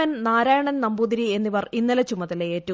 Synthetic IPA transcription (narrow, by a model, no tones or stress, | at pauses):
ɐnnaːɾaːjɐɳɐnnɐmbud̪ɾie̞nːiʋɐrinːilɐt͡ɕumːɐðɐleeːtːu